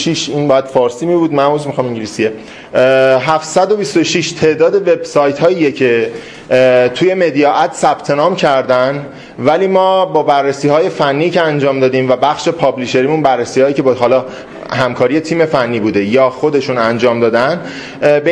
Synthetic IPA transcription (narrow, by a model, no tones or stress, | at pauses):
ʃiʃiːnbɒːjæd̪̥fɒːɾsiːmibuːd̪mæmuzmixɒmiŋɟilisije | ɦæft̪sæd̪o̞bist̪o̞ʃiʃt̪ʰe̞ʔd̪ɒːd̪e̞ve̞bsɒːjt̪hɒːjijecʰe̞ | t̪ʰuje̞me̞d̪ijɒːʔæd̪̥sæb̥t̪ʰe̞nɒːmcʰæɾd̪æn | væliːmɒːbɒːbærːesiːhɒːje̞fænːiːcʰeænd͡ʒɒːmd̪ɒːd̪iːmvæbæxʃe̞pʰɒːbliʃe̞ɾiːmunbærːesiːhɒːjiːcʰe̞bɦɒːlɒː | hæmkʰɒːɾije̞t̪ʰiːmefænːiːbuːd̪e̞jɒːxod̪e̞ʃunænd͡ʒɒːmd̪ɒːd̪æn | be